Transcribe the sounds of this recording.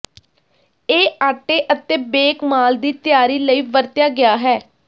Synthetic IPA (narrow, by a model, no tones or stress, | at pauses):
eːaːʈeːʔət̪eːbeːkmaːld̪iːt̪jaːɾiːləiːʋəɾt̪jaːɡɪjaːɦɛː